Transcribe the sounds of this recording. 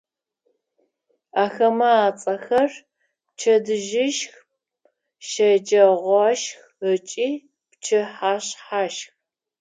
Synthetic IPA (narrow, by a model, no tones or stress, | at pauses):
aːxɐmɐaːt͡sʼɐxɐr | pt͡ʃʰɐdɨʒɪʃx | ʃɐd͡ʒɐʁʷɔʃx | ət͡ʃʼiː | pt͡ʃʰɨħaːɕħaːʃx